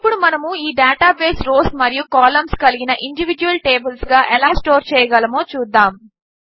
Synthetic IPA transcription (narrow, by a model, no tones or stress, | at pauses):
ipːuɽumɐnɐmuiːɖaːʈaːbeːsɾoːsmɐɾijukaːlɐmskɐliɡinɐʔiɳɖiʋid͡ʒuʋɐlʈeːbɐlsɡaːʔɛlaːsʈoːɾt͡ʃɛːjɐɡɐlɐmo̞ːt͡ʃuːd̪ːaːm